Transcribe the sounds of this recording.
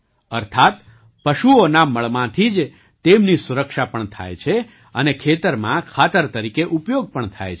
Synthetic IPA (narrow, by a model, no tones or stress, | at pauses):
əɾt̪ʰat̪ | pəʃuonaməɭmãt̪ʰid͡ʒ | t̪emnisuɾəkʃapəɳt̪ʰa̰jt͡ʃʰe | ənekʰet̪əɾmãkʰat̪əɾt̪əɾikeʔupjoɡ̚pəɳt̪ʰa̰jt͡ʃʰ